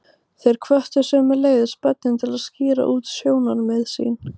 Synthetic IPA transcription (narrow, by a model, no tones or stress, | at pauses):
θejɾ̥kʰvœht̪ʏ̥sœːmɛleːjðɪspœt̪̚nɪnt̪ʰɪlaðscɪːɾa̰ʔuːt̪sjoːwnanmɛðsḭːn